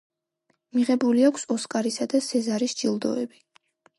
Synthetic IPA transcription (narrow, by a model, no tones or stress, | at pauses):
miʁɛbuliakʷʰsɔskʼaɾisad̪asɛzaɾisd͡ʒilˠd̪ɔɛbi